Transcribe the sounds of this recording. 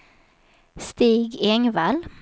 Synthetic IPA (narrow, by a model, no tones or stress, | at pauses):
st̪iːɡeŋʋæl